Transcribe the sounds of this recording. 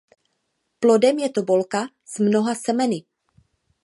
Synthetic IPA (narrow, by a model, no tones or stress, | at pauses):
plo̞dɛmjɛt̪o̞bo̞lka | z̥mno̞ɦasɛmɛnɪ